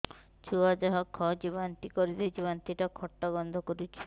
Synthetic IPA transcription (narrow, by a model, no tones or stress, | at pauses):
t͡ʃʰuɦad͡ʒaɦɔkʰːɔd͡ʒibɔnt̪ikɔɾid̪id͡ʒibant̪iʈakʰɔʈːɔɡɔnd̪ʱɔkɔɾit͡ʃʰi̥